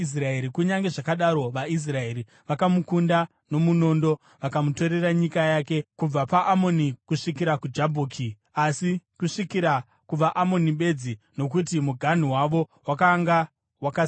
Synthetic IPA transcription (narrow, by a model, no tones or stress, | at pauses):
is̬raeɾikuɲaŋɡe̞ʐakaɗaɾo̞ʋais̬rae̞ɾi | ʋakamukunda | no̞muno̞ːndo̞ | ʋakamuto̞ɾe̞raɲikajake̞kub͡vapaʔamo̞nikuʂikiɾakud͡ʒabʱoːkʰi | asikuʂikiɾa | kuʋaʔamo̞niɓe̞d͡zi | no̞k̬utimuɡʱan̤iwaʋo̞wakaŋɡa | waka